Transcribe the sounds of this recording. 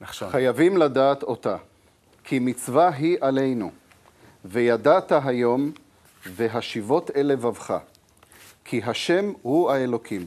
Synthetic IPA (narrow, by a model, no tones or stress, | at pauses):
χχajavimladaːt̪o̞ta | kʰimit͡svaɦiʔale̞jnu | vejadataɦajo̞m | veɦaʃivo̞te̞le̞vavχa̰ | kʰiɦaʃe̞mhuae̞lo̞kʰim